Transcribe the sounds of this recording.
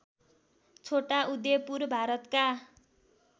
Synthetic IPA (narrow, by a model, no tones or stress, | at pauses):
t͡sʰoʈaʔud̪jepurbʱaɾʌt̪ka